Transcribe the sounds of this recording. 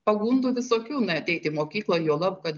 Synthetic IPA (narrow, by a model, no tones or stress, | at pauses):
pɐɡuːnd̪ʊʋʲɪsoːkʲuːnʲɛɐt̪ʲɛɪt̪ʲɪmoːkʲiːklˠɐjoːlˠɐpkɐt̪ʲ